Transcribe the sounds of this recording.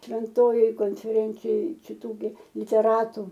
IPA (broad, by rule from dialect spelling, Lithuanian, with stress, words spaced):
ʃʲʋʲɛnˈtoːjoːj koːnʲfʲɛˈrʲɛnʲt͡sʲɪjoːj t͡ʃʲɪˈtuː ɡʲɪ lʲɪtʲɛˈrɑːtʊ